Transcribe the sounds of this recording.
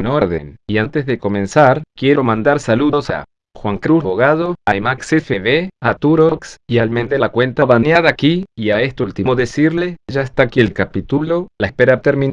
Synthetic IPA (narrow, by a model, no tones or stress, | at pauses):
noɾðḛniant̪e̞zðeko̞mẽ̞nsaɾkje̞ɾomãnd̪aɾsaluðosa̰ | xwaŋkɾuβoɣað̞oajmaksefeβeat̪uɾoksialmẽnd̪elakwe̞nt̪aβannjaðakiiaest̪ult̪imoðesiɾleʒaest̪akielkapit̪ulolaespeɾat̪eɾmĩn